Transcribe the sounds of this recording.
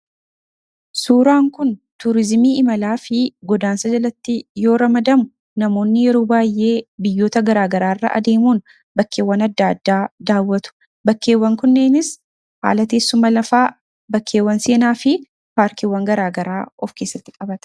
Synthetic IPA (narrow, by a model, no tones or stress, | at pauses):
suːɾaːŋkʊnt̪ʊɾɪzmiːɪmɐlaːfɪɡɔd̪aːnsɐd͡ʒɐlɐt̪ːɪjo̞ːɾɐmɐd̪ɐmʊ | nɐmo̞ːnːɪjɛɾo̞ːbaːjʔe̞ːbɪjːo̞ːt̪ɐɡɐɾaːɡɐɾaːrːɐ̰ʔɐ̰d̪e̞ːmuːn | bɐkːe̞ːwːɐnɐd̪ːaːd̪ːaːd̪aːwːɐt̪ʊ̥ | bɐkːe̞ːwːɐŋkʊnːe̞ːnɪs | ha̰ːlɐt̪eːsːʊmɐlɐfaː | bɐkːe̞ːwːɐnseːnaːfɪ | paːɾkɪwːɐŋɡɐɾaːɡɐɾaːɔfke̞ːsːɐt̪ːɪkʼɐbɐt̪ɐ̥